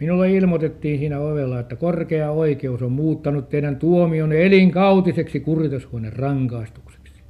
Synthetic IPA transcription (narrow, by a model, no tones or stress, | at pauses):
minulːeilmot̪et̪ːiːnsiːnæoʋelːɑet̪ːækorkeɑoikeusommuːt̪ːɑnut̪ːeinænt̪uomioneliŋkɑut̪iseksikurt̪eshuonerrɑŋkɑist̪u̥kse̥ksi̥